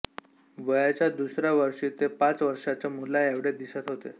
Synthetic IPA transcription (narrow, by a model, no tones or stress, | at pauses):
ʋəjat͡ɕjad̪usɾjaʋəɾʂiːt̪epat͡sʋəɾʂat͡ɕamulajaʋɽed̪isat̪ɦot̪ḛ